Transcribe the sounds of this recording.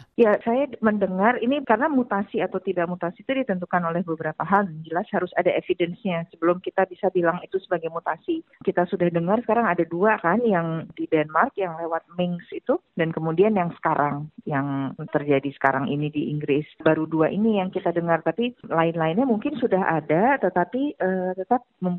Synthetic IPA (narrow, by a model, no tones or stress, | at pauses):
jasajaməndəŋarinikarənamut̪asiat̪awt̪idak̚mut̪asit̪udit̪ənt̪̬ukanolɛhbəbəɾapaɦald͡ʒəlashaɾʊsadaefidɛnsɲasəbəlʊmkit̪abisabilaŋit̪usəbaɡajmut̪asikit̪asudahdəŋarsəkaɾaŋadaduakanjaŋdidɛnmarkjaŋlewat̪̚mɪŋsit̪udankəmudianjaŋsə̥kaɾʔaŋjaŋt̪ərd͡ʒadisə̥kaɾaŋʔḭnidiʔiŋɡɾɪsbaɾuduaʔinijaŋkit̪adəŋart̪apilaɪnlaɪnɲamuŋkɪnsudaɦa̰dat̪ət̪apiʔət̪ət̪ap̚məm